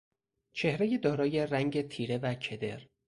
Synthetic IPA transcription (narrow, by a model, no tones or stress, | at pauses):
t͡ʃʰe̞hɾe̞jed̪ɒːɾɒːje̞ræŋɟe̞t̪ʰiːɾe̞væcʰe̞d̪e̞̰ɾ